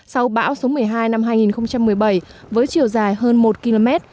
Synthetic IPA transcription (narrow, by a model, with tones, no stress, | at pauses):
sa˧wɓa̰ː˧˥wso˨˦mɨ˨˩əjɦaː˧jna˧mɦaː˧jŋi˨˩nxə˧wŋ͡mt͡ɕa˧mːɨ˨˩əjɓə˧˩jvəː˨˦jt͡ɕi˨˩əwzaː˨˩jhəː˧nmo˨˩t̚ki˧lo˧mɛ˦˥t̚